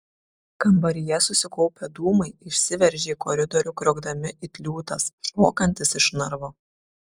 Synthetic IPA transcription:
kɐmbɐɾʲɪjɛsʊsʲɪkɔʊpʲed̪uːmɐɪɪʃʲsʲɪʋʲɛɾʲʒʲeːiːkɔɾʲɪd̪ɔɾʲʊkɾʲoːɡd̪ɐmʲɪʔɪt̪ʲlʲuːt̪ɐsʃoːkɐnʲt̪ʲɪsɪʃnɐɾʋoː

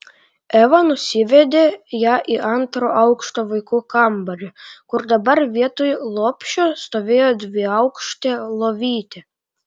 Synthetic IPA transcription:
ɛʋɐnʊsʲɪʋʲɛd̪ʲejɑːʔiʔɐnt̪ɾoʔɑʊkʃt̪oːʋɐɪkuːkɑmbɐɾʲʊkʊɾd̪ɐbɐɾʋʲiɛt̪ojlˠoːpʲʃʲʊst̪oːʋʲeːjoːd̪ʲʋʲɪɐʊkʃt̪ʲelˠoːʋʲiːt̪ʲɪ

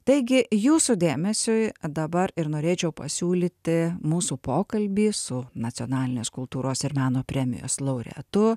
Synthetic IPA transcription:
t̪ɐɪɡʲɪjuːsud̪ʲeːmʲɛsʲʊjd̪ɐbɐɾɪɾnoːɾʲeːt͡ʃʲɛʊpɐ̰sʲuːlʲiːt̪ʲɪmuːsuːpoːkɐlʲbʲiːsʊnɐt͡s̪ʲoːnɑːlʲɪnʲeːskʊlˠt̪uːɾoːsɪɾmɑːnoːpʲɾʲɛmʲɪ̰jo̰ːslˠɐʊɾʲɛ̰t̪ʊ

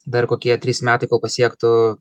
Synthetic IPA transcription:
d̪ɐrkoːkʲiɛt̪ʲɾʲiːsmʲæːt̪ɐɪkoːlˠpɐsʲiɛkt̪ʊ

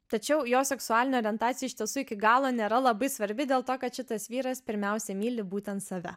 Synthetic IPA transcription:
t̪ɐt͡ʃʲɛʊjoːsʲɛksʊɑːlʲɪnʲɛoːɾʲiɛnt̪ɑːt̪ʲjɛɪʃʲt̪ʲiɛsuːɪkʲɪɡɑːlˠoːnʲeːɾɐlˠɐbɐɪsʋɐɾʲbʲɪd̪ʲeːlˠt̪oːkɐt̪ʃʲɪt̪ɐsʋʲiːɾɐspʲɪɾʲmʲɛʊsʲɛmʲiːlʲɪbuːt̪ʲɛnt̪sɐʋʲɛ̰

